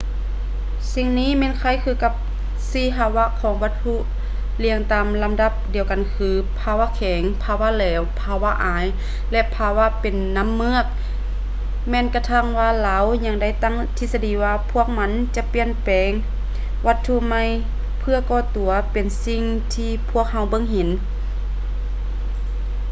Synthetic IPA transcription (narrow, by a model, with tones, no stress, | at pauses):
si˧˨ŋniː˧˥˨mɛː˧˥˨nkʰa˧˩jkʰɯː˧˩ka˧˥p̚ | siː˧˥˨ɦa˧wa˧˥kʰɔː˨˦ŋʋa˧t̪ʰːu˧˥ʔ | li˧əŋt̪aː˨mla˧˦mda˧˥p̚di˨˩əwka˨nkʰɯː˧˦pʰaː˧˩waː˧˥kʰɛː˨˦ŋpʰaː˧wa˧˥˨lɛː˧wpʰaː˧wa˧˥ʔaː˨˦j | lɛ˧ʔpʰaː˧wa˧˥˨pe˨nːa˧˥˨mːɯ˧˥ək̚ | mɛː˧˨nka˧t̪ʰa˧˥˩ŋwaː˧laː˨˧˦wɲa˧ŋda˧˥˩jt̪a˧˥˨ŋt̪ʰi˧sa˧diː˨˦waː˧pʰu˧˥˩ək̚ma˧˥nt͡ɕa˧˦pi˧ənpɛː˨ŋ | ʋa˧t̪ʰːu˧˥ma˧˥˨j | pʰɯ˧ɐkɔː˧˩t̪u˨˩˦ɐpe˨˩nsi˧ŋ | t̪ʰiː˧pʰu˧˥˩ək̚ɦa˧˥˩wbɤ˧˥˨ŋɦe˨˦n